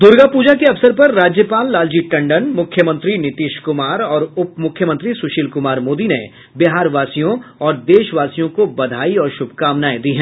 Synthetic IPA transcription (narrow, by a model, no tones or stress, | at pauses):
d̪ʊɾɡapuːd͡ʒakeɐʋsəɾpɐɾːaːd͡ʒjəpaːlːaːld͡ʒiʈɐ̃ɳɖənmʊkʰjəmə̃nt̪ɾinɪt̪iːʃkʊmaːɾɔːɾʊpːmʊkʰjəmə̃nt̪ɾisʊʃiːlkʊmaːɾmoːd̪inḛ | bɪɦaːɾʋaːsijõɔːɾd̪eːʃʋaːsijõkobɐd̪ʱaːiɔːɾʃʊbʱkaːmnaːed̪iɦɛ̃ː